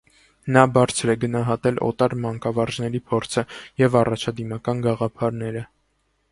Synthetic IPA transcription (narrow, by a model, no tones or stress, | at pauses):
nɑbɑɾt͡sʰɾɛɡənɑɦɑt̪ɛlʔɔ̰t̪ɑɾmɑŋkɑvɑɾʒnɛɾipʰɔɾt͡sʰəjɛvɑrɑt͡ʃʰɑd̪imɑkɑnɡɑʁɑpʰɑɾnɛɾə